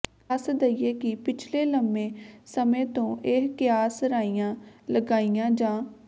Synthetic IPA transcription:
əsd̪əiːeːkɪpɪt͡ʃʰleːləmẽːsəmẽːt̪õːʔeɦkɪjaːsɾaːijãːləɡaːijãːd͡ʒãː

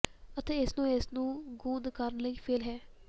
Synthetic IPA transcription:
ət̪eːɪsnũːɪsnũːɡũːd̪kəɾənləiːpʰeːlɦɛː

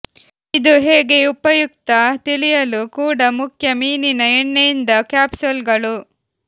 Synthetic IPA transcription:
id̪uɦeːɡe̞upɐjuk̚t̪ɐt̪ilijɐlukuːɽɐmukʰjɐmiːninɐeɳːejind̪ɐkaːpsulɡɐɭu

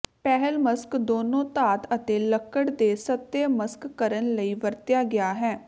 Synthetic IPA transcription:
pɛːɦəlməskd̪oːnõːt̪aːt̪ət̪eːləkːəɽd̪eːsət̪ːeməskːəɾənləiːʋəɾt̪jaːɡɪaːɦɛː

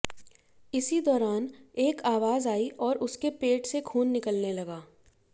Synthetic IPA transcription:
ɪsid̪ɔːɾaːneːkaːʋaːzaːiʔɔːɾʔʊskepeːʈsekʰuːnːɪkəlnelɐɡaː

